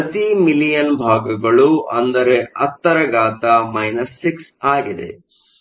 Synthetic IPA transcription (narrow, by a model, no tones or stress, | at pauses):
pɐt̪imilijɐnbʱaːɡɐɡɐɭuʔɐnd̪ɐɾeʔɐt̪ːɐɾɐɡaːt̪ɐmɐjnɐsːiksaːɡid̪e̞̰